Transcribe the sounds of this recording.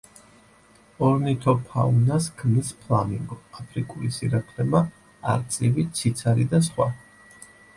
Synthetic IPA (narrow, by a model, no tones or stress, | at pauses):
ɔɾnit̪ʰɔpʰaunasɡ̥mispʰlˠamiŋɡɔapʰɾikʼulisiɾakʰlɛma | a̰ɾt̪sʼivit̪sʰit̪sʰaɾid̪as̬χwa